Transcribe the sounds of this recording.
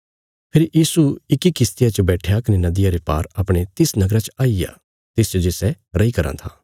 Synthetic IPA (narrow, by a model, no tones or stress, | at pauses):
pʰɪɾjiːsuɪkikɪst̪ijat͡ʃəbɛːʈʰjakɐnenɐd̪ɪjaɾepaːɾɐpɽ̃et̪ɪsnɐɡɾat͡ʃaːija̰ | t̪ɪst͡ʃəd͡ʒɪsɛ | ɾɐikɐɾã̰t̪ʰaː